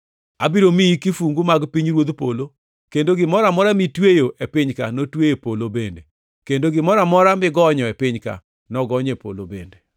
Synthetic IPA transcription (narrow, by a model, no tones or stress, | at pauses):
abiɾomiikifuŋɡumaɡpiɲɾwod̪polo | kendoɡɪmɔɾamɔɾamitwejoʔepɪɲkanotwejepolobende | kendoɡɪmɔɾamɔɾamɪɡɔɲɔɛpɪɲka̰ | nɔɡɔɲepo̰lo̰bende